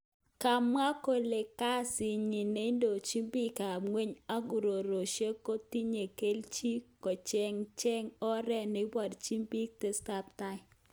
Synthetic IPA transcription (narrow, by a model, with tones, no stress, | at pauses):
ka˨ma˦ko˦˨le˨ka˦sɪ˨ɲi˨ne˨˦ndo˨t͡ʃi˦mbi˦ka˨ŋwe˦ɲa˦ɡu˨ɾo˨ɾo˨ʃe˦ko˦ti˦ɲe˨ke˦lt͡ʃi˦kɔ˨t͡ʃɛ˦ŋt͡ʃɛ˦ŋɔ˦ɾɛ˦nɪ˨wa˨dt͡ʃi˦mbi˦k̚te˦sta˦p̚ta˦ɪ˦